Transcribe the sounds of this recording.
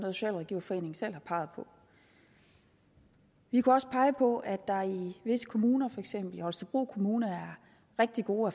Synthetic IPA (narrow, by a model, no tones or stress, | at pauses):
nɔð̩ˠso̥̝ɕɛ̰ːlʁɛɡ̥ḭʊɐfɒ̽e̝̰ːne̝ŋ̩sel̰hɑ̈pʰɑ̈ɪð̞̩ˠpʰɒ̽ | ʋikʰuɒ̽sə̥pʰɑ̈ɪəpʰɒ̽ʔæd̥ɑ̈iʋe̝sə̥kʰo̝muːnɐfɒ̽eɡ̥sem̰b̥l̩ihɒ̽lsd̥əb̥ʁṵːkʰo̝muːnɐæɐ | ʁeɡ̥̚d̥iɡ̥o̝ːæ